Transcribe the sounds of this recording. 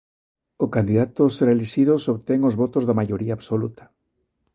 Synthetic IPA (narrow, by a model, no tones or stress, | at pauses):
okand̪iðat̪ʊsreliʃiðosoβt̪ɛŋozβɔt̪ozðamaʎoɾiaːβsolut̪ḁ